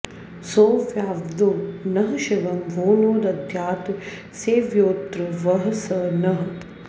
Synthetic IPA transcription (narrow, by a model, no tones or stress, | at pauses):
soːʋjaːʋd̪onɐɦɐʃiʋɐmbʱoːnoːɾɐd̪ʱjaːt̪ | seːʋjoːt̪ɾɨʋɐɦɐsɐnɐɦɐ